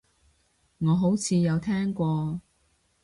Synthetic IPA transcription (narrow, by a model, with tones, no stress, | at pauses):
ŋɔː˨˧ɦo˨˥wt͡sʰiː˨˧jɐ˨˧wt̪ʰɛː˥ŋkʷɔː˧